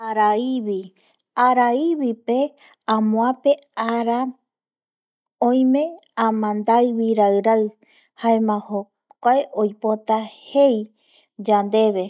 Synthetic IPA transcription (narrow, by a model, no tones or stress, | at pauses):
aɾaiβi | aɾaiβipe̞ | ãmõãpe̞ | aɾa | õj̃mẽ̞ | ãmãnd̪ajβiɾaɨɾaɨ | haemãho | kʷaeʔojpot̪ahe̞j | d͡ʒand̪e̞βe̞